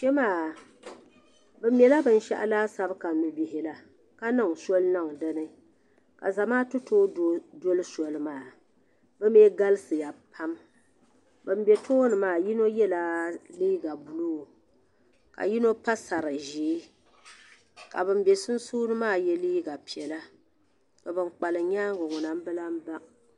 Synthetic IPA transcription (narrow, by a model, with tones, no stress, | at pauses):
ʃɛ˦maː˦˨ | bɨ˨mjɛ˨la˦bɨ˨n˦ʃɛ˦ʔa̰˦laː˦sa˦bka˨nɨ˨bi˨hɪ˨la˨ | ka˦nɨ˦ŋsɔ˦lna˦ŋ˨dɨ˦nɨ˦ | ka̰˨za˨maː˦tʊ˦toː˦˨do˦lɨ˦sɔ˨lɨ˦maː˦˨ | bɨ˦meː˦ɡa˦lɨ˦sɨ˨ja˨pʰa˦m | bɨ˨m˦bɛ˨tʰo˦nɨ˨maː˦˨ji˦no˦jɛ˦la˦liː˦ɡa˨bu˨lu˦˨ | ka̰˨ji˦no˦pa˦sa˨ɾɨ˨ʒiː˨˦ | ka˨bɨ˨mbɛ˨sʊ˦n˦suː˦nɨ˦maː˦˨jɛ˦liː˦ɡa˨pi˨ɛ˨la˦ | ka˨bɨ˦nk͡pa˨lɨ˨ɲaː˦ŋ˦ɡʊ˨ŋʊ˨na˨m˦bɨ˦la˦m̩˦ba˦